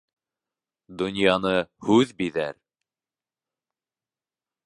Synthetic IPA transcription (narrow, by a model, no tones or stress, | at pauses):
d̪ŏnjɑnɤhʉðbiðæ̰ɾ